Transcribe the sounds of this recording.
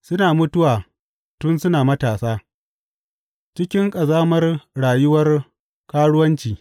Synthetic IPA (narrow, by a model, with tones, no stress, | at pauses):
sʊ˦naː˨mʊ˦tʊ˦waː˨ | tʊ˦nsʊ˦naː˨mɐ˦taː˨saː˦ | t͡ʃɪ˦kʲɪ˦ŋkʼɐ˨zaː˦mɐ˦rɽaː˨jʊ˦wɐ˦r | kaː˦ɽʊ˦wɐ˦nt͡ʃiː˨